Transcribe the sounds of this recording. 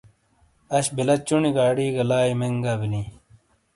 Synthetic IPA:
ɐɕbilɐt͡ɕuniɡaːɽiːɡɐlaːimeŋɡaːbilĩː

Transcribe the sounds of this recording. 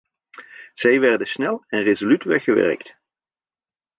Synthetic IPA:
z̥ɛjʋɛɹdənsnɛlˠɛnrezolytʋɛxəʋɛ̰ɹkt

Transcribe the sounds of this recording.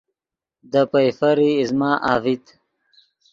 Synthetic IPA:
d̪əpajfaɾiːzmɑːʔaːvit̪

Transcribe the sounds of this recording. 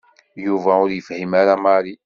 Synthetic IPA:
juvæʊɾjəfhəmaɾamɑɾi

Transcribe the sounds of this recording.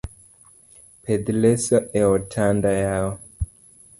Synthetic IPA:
ped̪lɛsɔʔɛɔtʰandajaɔ

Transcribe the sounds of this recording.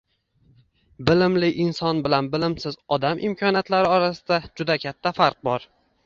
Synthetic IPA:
bɪlɪmlɪʔɪnsɒnbɪlanbɪlɪmsɪzɒd̪amʔɪ̰mkʰɒnjat̪laɾɪɒɾasɪd̪ad͡ʒʊd̪akʲʰat̪ʰːafaɾq̚bɒɾ

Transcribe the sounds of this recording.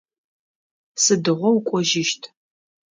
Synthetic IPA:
sɨdɨʁʷɔwkʷʼɔʒɪʃtʰ

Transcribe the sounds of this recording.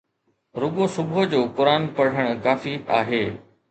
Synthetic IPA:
ɾʊɠosʊbd͡ʑoːpʊɾaːnpɐɽ̤əɽ̃ʊ̆kaːfia̰ːɦeː

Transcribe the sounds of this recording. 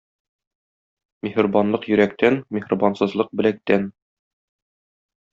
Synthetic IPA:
mehɘ̆rbɑnlˠɤqjɵ̆ɾækt̪ænmʲehrbɑnsɤ̆zlˠɤq̚bɘ̆læk̚t̪æn

